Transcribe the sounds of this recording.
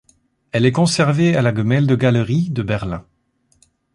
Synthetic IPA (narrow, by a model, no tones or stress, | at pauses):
ɛlɛkɔ̃sɛʁvealaɡəmɛld̪əɡalʁid̪əbɛʁlɛ̃